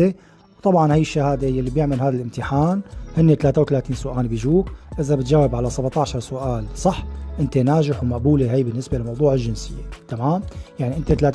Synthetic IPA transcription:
e | wt̪ˤɑbʕɑnhajːɪʃːahaːd̪ejalːibjɪʕmalhaːd̪alʔɪmt̪ɪħaːnhɪnːet̪alaːt̪awt̪alaːt̪iːnsʊʔaːnbiʒuːkʔɪzabɪt̪ʒaːwɪbʕalasabʕt̪ˤɑʕʃɑɾˤsʊʔaːlsˤɑħːʔɪnt̪enaːʒɪħwmaʔbuːleɦajbɪnːɪsbelamɑwd̪ˤuːʕɪlʒɪnsɪjːet̪amaːmjaʕniʔɪnt̪et̪laːt̪

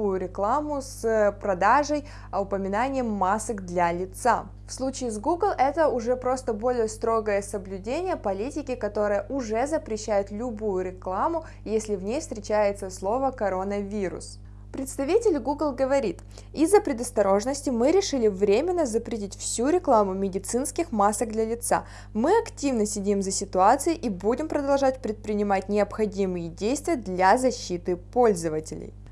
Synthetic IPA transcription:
ujʊɾʲɪklˠamʊspɾɐd̪aʐəj | ɐʊpəmʲɪnanʲɪjəmːasɨɡd̪lʲɐlʲɪt̪sa | fslˠut͡ɕɪːzɡuɡlˠʔɛt̪əʊʐɛpɾo̞st̪əbo̞lʲɪjəst̪ɾo̞ɡəjəsəblʲʉdʲenʲɪjəpɐlʲitʲɪkʲɪkɐt̪o̞ɾɨjəʔʊʐɛzəpɾʲɪɕːæjʊt̪lʲʊbujʊɾʲɪklˠamʊ | jesʲlʲɪvnʲejfst̪ʲɾʲɪt͡ɕæjɪt̪səslˠo̞vəkɐɾo̞nəvʲiɾʊ̰s | pɾʲɪt̪st̪ɐvʲitʲɪlʲɡuɡlˠɡəvɐɾʲit̪ | izːəpɾʲɪd̪əst̪ɐɾo̞ʐnəsʲtʲɪmɨɾʲɪʂɨlʲɪvɾʲemʲɪnːəzəpɾʲɪtʲitʲfsʲuɾʲɪklˠamʊmʲɪdʲɪt̪sɨnskʲɪxmasəɡ̚d̪lʲɐlʲɪt̪sa̰ | mɨɐktʲivnəsʲɪdʲimzəsʲɪt̪ʊat̪sɨjɪʔibudʲɪmpɾəd̪ɐlˠʐatʲpɾʲɪt̪̚pɾʲɪnʲɪmatʲnʲɪɐpxɐdʲimɨjɪdʲejst̪vʲɪjəd̪lʲazɐɕːit̪ɨpo̞lʲzəvətʲɪlʲɪ̰j

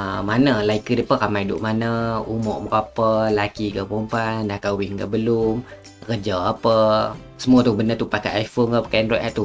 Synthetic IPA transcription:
manəlaikədipəkamajidʊ̰ʔmanəumɔ̰ʔbəkapəlakikəpumpandahkawɪŋka̰ʔbəlum | kəd͡ʒaapə | səmuat̪ubənət̪upakajʔajfonkapəkanɾɔtʔɛʔ̚t̪u

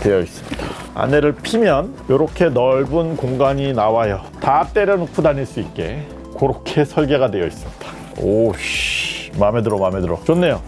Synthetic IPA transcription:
twe̞jʌis͈ɯmɲid̥a | a̰ne̞ɾɯɭpʰimjʌnjoɾʌkʰe̞nʌɭbunkoŋɡaɲinawajʌtat͈e̞ɾjʌnokʰudaniɭs͈uit̚k͈e̞ | koɾokʰe̞sʰʌɭɡe̞ɡadwe̞jʌ̰is͈ɯmɲid̥ḁ | oɕmamedɯɾomame̞dɯɾot͡ɕonːe̞jo

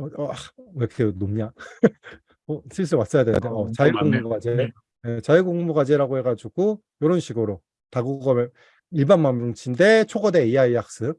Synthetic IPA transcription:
ʌekʰenomɲa | ʌsʰis̬͈ʰɯɭmas͈ʌjadeja̰deʌt͡ɕaiɡoŋmuɡad͡ʑe | et͡ɕaiɡoŋmuɡad͡ʑeɾaɡoheɡad͡ʑuɡo | joɾʌnɕʰiɡɯɾo | taɡuɡʌmje | iɭbanmanɾoŋt͡ɕʰinde̞t͡ɕʰoɡʌde̞iaijak̚s͈ɯ

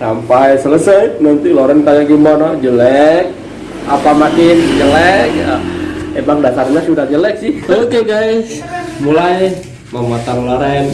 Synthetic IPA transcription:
sampajsələsəjnant̪iloɾɛnkajaɡimbɔnɔd͡ʒəlɛk̚ | a̰pamakɪnd͡ʒəlɛkəebaŋdasarɲasudahd͡ʒəlɛk̚sɪhokeɡais | mulaj | mamat̪aɾulaɾɛn

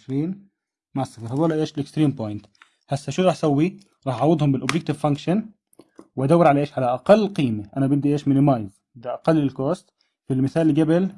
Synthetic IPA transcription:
ʃɾiːn | maʕsˤːɑfiːɾhɑd̪ˤuːlaʔeːʃlɪkst̪ɾiːmpojɪnt̪ | hasːaʃuːɾɑːħsawːi | ɾˤɑːħʕɑwːɪd̪ˤhʊmbɪlʔʊbjɪk̚t̪ɪvfaŋkʃan | wʔad̪awːɪɾʕalaʔeːʃʕalaʔaqɑlːqiːmɪʔanabɪd̪ːiʔeːʃmɪnɪmɑjz | bɪd̪iʔaqɑlːɪlkoːst̪ | filmɪθaːlːɡabɪl

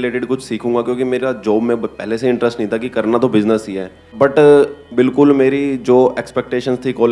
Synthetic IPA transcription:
leːʈɪɖkʊt͡ʃʰsiːkʰũːŋɡakjõːkimeːɾad͡ʒoːbmẽpɛːleseɪ̃ɳʈɾəsʈnəɦĩt̪ʰakikɐɾnat̪obɪznəsɦiɦɛː | bɐʈbɪlkʊlmeːɾid͡ʒoːeːkspɛːk̚ʈeːʃənst̪ʰikɔːl

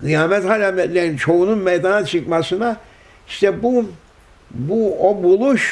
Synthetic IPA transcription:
ɡɯjaːmɛt̪halamlʲɛd̪lʲeɾint͡ʃʰo̞ununmɛjd̪anat͡ʃʰɯkmasɯna | iʃt̪ʰɛbu | buobulˠuʃ

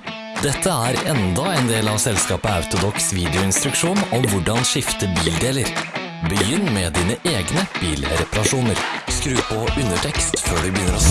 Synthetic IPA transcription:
d̪ɛt̪ʰːəæɾɛnd̪ɑɛnd̪eːlɑʋsɛlskɑːpəɑʉt̪ʊd̪ɔksʋiːd̪ɪʊɪnst̪ɾʉkʂuːnɔmʋʊɖɑnʃɪft̪əbiːld̪eːləɾ | bəjʏnːmɛd̪iːnəʔeːɡnəb̥iːlɾɛpɑɾɑʂuːnəɾskɾʉːpɔʉnəʈʰɛkst̪føːɖɪbəjʏnəɾɔ

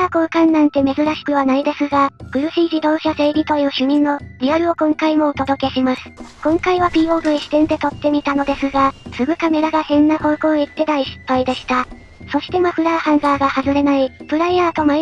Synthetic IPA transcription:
aːkoːkãnːãnt̪e̞me̞zɨɾaɕi̥kɯ̟βanaid̪e̞sɨɡab̥ɯ̟ɾɯ̟ɕiːʑid̪o̞ːɕase̞ːɾʲit̪o̞jɯ̟ːɕɨɲ̟ĩnːo̞ɾʲiaɾɯ̟o̞kõ̞ŋkaimo̞ot̪o̞d̪o̞ke̞ɕimasɨ̥kõ̞ŋkaiβ̞apʲiːo̞ːbɯ̟iɕi̥t̪ẽ̞nd̪e̞t̪o̞t̪ːe̞mʲit̪ano̞d̪e̞sɨɡasɨɡɯ̟kame̞ɾaɡahẽ̞nːaho̞ːko̞ːit̪ːe̞d̪aiɕi̥pːaid̪e̞ɕi̥t̪a | so̞ɕi̥t̪e̞moɸɯ̟ɾaːhãŋɡaːɡahazɨɾe̞naipɯ̟ɾaaːt̪o̞ma

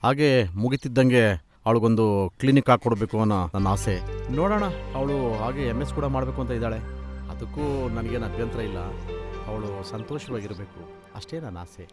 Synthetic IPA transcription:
haːɡe̞muɡit̪id̪ːɐŋɡe̞ | ɐʋɭuɡo̞nd̪uklinikːaːɡ̚kːoɽbe̞ːkuɐnːɐnɐnːɐaːsenoːɽɐːɳɐɐʋɐɭuɦaːɡe̞emːeskuːɽɐmaːɽbe̞ːkuɐnt̪ɐid̪aːɭe̞ɐ̰d̪ɐkːuːnɐnɐɡeːnɐbʱjɐnt̪ɾɐilːɐ̰ɐʋɐɭusɐnt̪oːʃɐʋaːɡiɾɐbe̞ːku | ɐ̰ʂʈe̞ːnɐnːɐa̰ːse

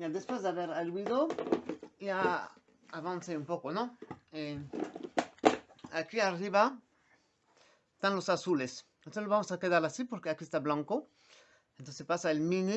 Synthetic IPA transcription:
jad̪espwezðeaβeɾalwiðo | ia | aβanseumpokonoe | akiariβa | est̪anlosasulesent̪onseoβamosakeðaɾasipoɾkeakiest̪aβlãŋko | ẽnt̪onsespasaelmĩni

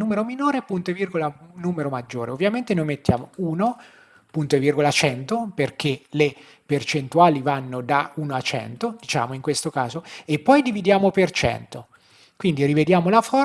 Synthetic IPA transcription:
nuːmeɾominoːɾepunt̪oevirɡolanuːmeɾomad͡ʒːoːɾeovːjament̪enojmet̪ːja̰ːmouːno | punt̪oevirɡolat͡ʃɛnt̪operk̟ele | pert͡ʃent̪uaːlivanːod̪aunoat͡ʃːɛ̰nt̪od̪it͡ʃa̰ːmoiŋkwest̪oka̰ːzoepːɔjd̪ivid̪jaːmopert͡ʃɛ̰nt̪o | kwind̪irived̪jaːmolafɔ

